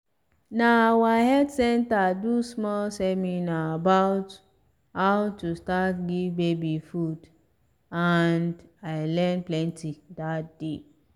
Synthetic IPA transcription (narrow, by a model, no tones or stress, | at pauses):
nawahɛdsɛ̃ntadusmɔlsɛminaːbaʊt | hawtustatɡivbebifud | andaɪlɛ̃nplɛ̃ntidat̚d̥e